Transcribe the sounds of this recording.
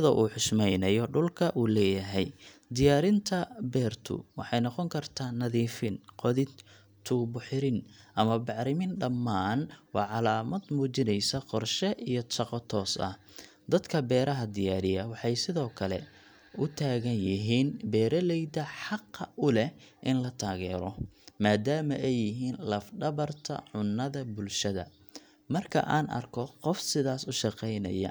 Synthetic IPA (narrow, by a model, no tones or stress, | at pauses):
ɐðɐʔuːħʊʃmɛjnɐjɔɖʊlkʰɐʔuːlɛːjɐɦɛjd̪ɪjaːɾɪnt̪ʰɐbɛːrt̪ʰʊ̰wɑħɑjnɔqɔŋkʰɐrt̪ʰaːnɐðiːfɪnqɔðɪ | t̪ʰuːbʊħɪɾɪnʔɐmɐbɑʕɾɪmɪnɖɐmːaːnwɑːʕɑlaːmɐd̪muːt͡ʃɪnɛjsɐqɔrʃɛʔijɔʃɑqɔt̪ʰɔːsɐ̰h | d̪ɐd̪kʰɐbɛːɾɐɦɐd̪ɪjaːɾɪjɐwɑħɑjsɪðɔːkʰɐlɛ̰ | ʊt̪ʰaːɣɐnjɪɦiːnbɛːɾɐlɛjd̪ɐħɑqːɐʔʊlɛʔɪnlɐt̪ʰaːɣɛːɾɔmaːd̪aːmɐʔɛjːɪɦiːnlɐfɖɐβɐrt̪ʰɐ̰ʕʊnːɐðɐbʊlʃɐðɐ̰ | mɐrkʰɐ̰ʔa̰ːnʔɐ̰rkʰɔqɔfsɪðaːsʊʃɑqɛjnɐ̰jɐ̰